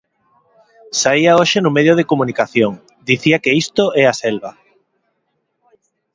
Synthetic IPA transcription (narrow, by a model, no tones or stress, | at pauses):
saiaoʃenʊmeðjoðekomũnikaθjoŋ | d̪iθiakeist̪oɛasɛlβa